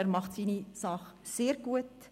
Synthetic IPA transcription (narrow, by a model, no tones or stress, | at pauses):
æːɾmɑχtsiːnisɑχ | seːɾɡ̥uət